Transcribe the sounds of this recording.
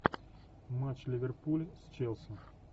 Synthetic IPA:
mat͡ɕlʲɪvʲerpulʲst͡ɕɛlˠsən

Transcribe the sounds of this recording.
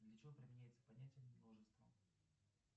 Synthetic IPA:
d̪lʲət͡ɕɪvopɾʲɪmʲɪnʲæjɪt̪sə̥pɐnʲætʲɪjəmʲmlˠoʐɨst̪və

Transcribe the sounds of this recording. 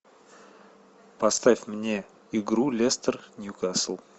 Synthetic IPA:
pɐst̪afʲmnʲe̞ | ɪɡɾulʲest̪ərnʲjukasəlˠ

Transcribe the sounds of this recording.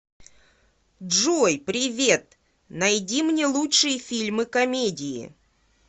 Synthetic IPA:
dʐojpɾʲɪvʲet̪ | nɐjdʲimnʲelˠutʂɨjəfʲilʲmɨkɐmʲedʲɪɪ̰

